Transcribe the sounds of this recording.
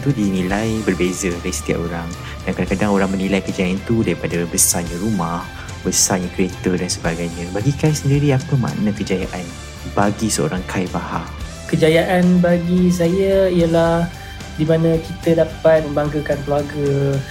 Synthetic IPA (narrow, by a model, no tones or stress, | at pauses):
t̪udinĩlajbərbezədaisə̥t̪ia̰ʔoɾaŋ | dankadakadaŋoɾaŋmənĩlajkəd͡ʒajaant̪udaɾipadabəsaɲãɾumah | bəsaɲãkɾiet̪ədansəbaɡajɲãbaɡikajsəndiɾiapəma̰ʔnãkəd͡ʒajaʔan | baɡisəo̰ɾaŋkʰajbaha̰ | kəd͡ʒajaʔanbaɡis̬ajaijəlah | dimãnãkit̪ədapat̪̚mə̃mbaŋɡakankluaɡə